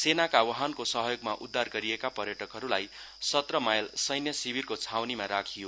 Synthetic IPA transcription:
senakawʌɦankosʌɦʌjoɡmaʔud̪ʱːarɡʌɾiekapʌɾjʌʈʌkɦʌɾulaj | sʌt̪rʌmajlsʌjnjʌsibirkot͡sʰawnimaɾakʰijo

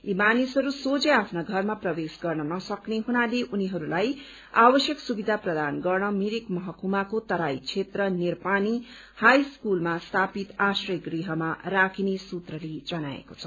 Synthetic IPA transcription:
imanisʌɾusot͡seapʰnaɡʱʌrmaprʌbesɡʌrnʌnʌsʌkneɦunaleʔuniɦʌɾulaj | abʌsjʌksubid̪ʱaprʌd̪anɡʌrnʌmiɾikmʌɦʌkumakot̪ʌɾajt͡sʰet̪rʌnirpani | hajskulmast̪ʰapit̪asrʌɡriɦʌmarakʰinesut̪rʌlid͡zʌnaḛkot͡sʰʌ̥

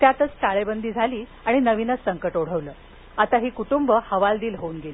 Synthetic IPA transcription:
t̪jat̪ət͡sʈaɭebənd̪iːd͡zʱaliː | aɽ̃inəʋinət͡ssəŋkəʈoɽ̤əʋləː | at̪aɦiːkuʈumbəhəʋald̪iːlɦouːnɡeliː

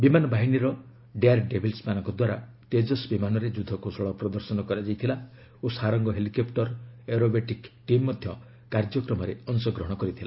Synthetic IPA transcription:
bimanɔbaɦiniɾɔ | ɖeaɾɖebʱilsmanɔŋkɔd̪waɾa | t̪ed͡ʒɔsbimanɔɾed͡ʒud̪ʱːɔkosɔɭɔpɾɔd̪ɔɾsɔnɔkɔɾad͡ʒajt̪ʰila | osaɾɔŋɡɔɦelikɔpʈɔɾeɾobeʈikʈimːɔd̪ʱjɔ | kaɾd͡ʒɔkɾɔmɔɾeɔnsɔɡɾɔɦɔɽ̃ɔkɔɾit̪ʰila

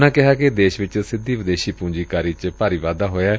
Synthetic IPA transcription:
nãːkɪɦaːked̪eːʃʋɪt͡ʃsɪd̪ːiːʋɪd̪eːʃiːpũːd͡ʒiːkaːɾiːt͡ʃpaːɾiːʋaːd̪aːɦoːaː

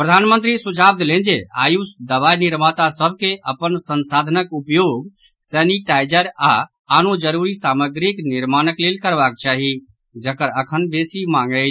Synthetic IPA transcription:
pɾəd̪ʱaːnmə̃nt̪ɾisud͡ʒʱab̚d̪lẽnd͡ʒea̰ːjusd̪əʋajniɾmat̪asəb̚ʱkeʔəpənsənsaːd̪ʱənəkupjoːɡ | sɛniʈajd͡ʒəɾa | aːnod͡ʒəɾuɾisaːməɡɾikniɾmaːnəklelkəɾbakt͡ʃaɦi | d͡ʒəkəɾəkʰənbesimãŋɡə

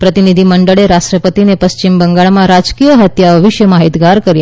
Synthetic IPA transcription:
pɾət̪inid̪ʱiməɳɖəɭeɾaʂʈɾəpət̪inepəst͡ɕimbəŋɡaɭmãɾad͡ʒkijəɦət̪jaʋəʋiʃjəmaɦit̪ɡaɾkəɾja

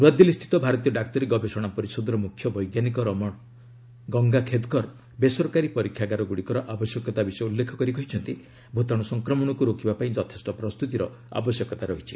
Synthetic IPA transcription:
ɾwad̪jilist̪ʰi̥t̪ɔbʱaɾɔt̪ijɔɖak̚t̪ɔɾeɡɔbesɔɽ̃apɔɾisɔd̪ɔɾɔmukʰjɔbɔjɡjanikɔɾm | ɡɔŋɡakʰed̪kɔɾ | besɔɾkaɾipɔɾikʰːjaɡaɾɔɡuɽikɔɾɔʔabɔsjɔkɔt̪abisɔjulːekʰɔkɔɾikɔɦit͡ʃʰɔnt̪i | bʱot̪ɔɽ̃ɔsɔŋkɾɔmɔɽ̃ɔkuɾokibapaĩd͡ʒɔt̪ʰe̥sʈɔpɾɔst̪ut̪iɾɔ | a̰bɔsjɔkɔt̪aɾɔɦit͡ʃʰi̥

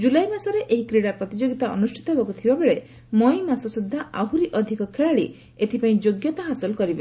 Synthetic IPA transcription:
d͡ʒulajmasɔɾeʔeɦikɾiɽaɾpɾɔt̪id͡ʒoɡit̪aɔnusʈʰi̥t̪ɔɦebɔkut̪ʰibabeɭe | mɔjmasɔsud̪ʱːaaɦuɾiʔɔd̪ʱikɔkʰeɭaɽi | et̪ʰipaĩd͡ʒoɡjɔt̪aɦasɔlɔkɔɾibe

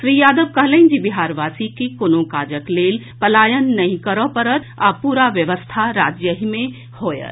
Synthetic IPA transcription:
ʃɾiːjaːd̪əʋkəɦlə̃ɪ̃nd͡ʒibiɦaːɾʋasikikoːnõkaːd͡ʒəkleːl | pəlaːjənːəɦĩkəɾɔpəɾət̪apuːɾaʋjəʋəst̪ʰaɾaːd͡ʒjəɦimẽ | hoːjə̰t̪

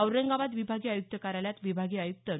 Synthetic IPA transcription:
əwɾəŋɡaʋat̪ʋibʱaɡiːajuk̚t̪əkaɾaljat̪ʋibʱaɡiːajuk̚t̪ə

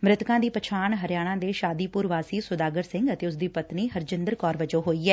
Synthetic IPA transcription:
mɾɪt̪kãːd̪iːpət͡ʃʰaːɳɦəɾjaːɽ̃ãːd̪eːʃaːd̪iːpʊːɾʋaːsiːsʊd̪aːɡəɾsɪ̃ŋɡət̪eːʊs̬d̪iːpət̪niːɦəɾd͡ʒənd̪əɾkɔːɾʋəd͡ʒoːɦoːiːɛː

